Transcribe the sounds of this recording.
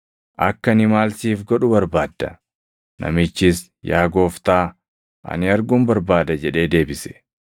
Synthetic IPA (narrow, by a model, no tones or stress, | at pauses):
ʔɐkːɐnɪmaːlsiːfɡɔᶑʊbɐɾbaːd̪ːɐ̰ | nʔɐ̰mɪt͡ʃːɪs | jaːɡo̞ːft̪aː | ʔɐ̰nɪɐɾɡʊmbɐɾbaːd̪ɐd͡ʒɛᶑe̞ːd̪e̞ːbɪsɛ̥